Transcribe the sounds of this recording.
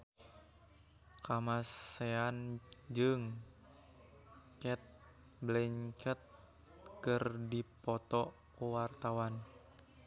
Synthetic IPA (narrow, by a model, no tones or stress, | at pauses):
kamaseand͡ʒɨŋ | kɛt̪̚ | blɛŋkɛt̪̚ | kɨrdipɔt̪ɔ | kuwart̪awan